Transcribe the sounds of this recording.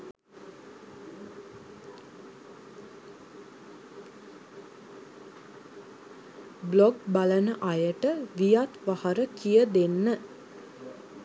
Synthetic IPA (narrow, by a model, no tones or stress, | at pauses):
blɔɡbalənəʔajəʈəʋijat̪ʋahaɾəkijəd̪enːə